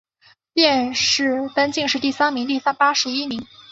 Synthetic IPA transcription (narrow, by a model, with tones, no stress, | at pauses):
tjɛ˥˧nʂɻ̩˥˩t̪a˥nt͡ɕi˥˧ŋʂɻ̩˥˧t̪i˥˩sa˥nmi˧˥ŋt̪i˥˩sa˥npa˥ʂɻ̩˧˥i˥mi˧˥ŋ